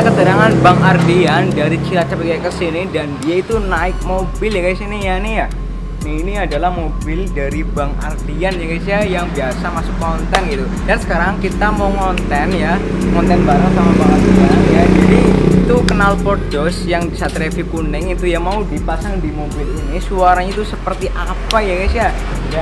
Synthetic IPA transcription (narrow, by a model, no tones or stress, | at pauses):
kət̪əɾaŋanbaŋardiandaɾit͡ʃilat͡ʃapikakːəsinidandiait̪unaɪk̚mobɪljakaisinijanija | niiniadalahmobɪldaɾibaŋa̰rd̪ianjakaisiajaŋbiasamasʊkːɔnt̪ɛnɡit̪u | dansə̥kaɾaŋkit̪amauŋɔnt̪ɛnjaŋɔnt̪ɛnbaɾaŋsamabaŋat̪baɾaŋjad͡ʒadiit̪ukənalpɔrdɔsjaŋdisat̪ɾefikunɪŋit̪ujamaudipasaŋdimobɪlinisuaɾaɲait̪usəpərt̪iʔa | pajakajsia | ja